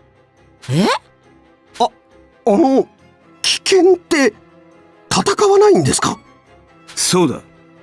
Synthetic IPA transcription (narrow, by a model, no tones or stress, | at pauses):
e | a | ano̞ | kʲi̥kẽ̞nt̪ːe̞ | t̪at̪akaβanaĩnd̪e̞sɨ̥ka̰ | so̞ːd̪a̰